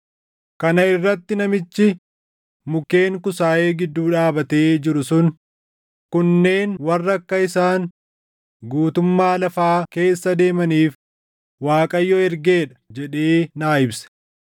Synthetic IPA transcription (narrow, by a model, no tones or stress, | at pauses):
kɐnɐɪrːɐt̪ːɪnɐmɪt͡ʃːɪ | mʊke̞ːŋkʊsaːʔe̞ːɡɪd̪ːuːᶑaːbɐt̪eːd͡ʒɪɾʊsʊn | kʊnːe̞ːnwɐrːɐkːɐɪsaːn | ɡuːt̪ʊmːaːlɐfaːke̞ːsːɐd̪e̞ːmɐniːf | waːkʼɐjːɔɛɾɡe̞ːᶑɐ̥d͡ʒɛᶑeːnaːɪbsɐ̥